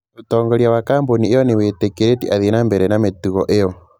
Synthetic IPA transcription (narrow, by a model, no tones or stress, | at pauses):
otɔːŋɡɔɾjawakaːmboniejɔneweːtekeɾetiʔaðenambɛɾɛnametuɣɔʔejɔ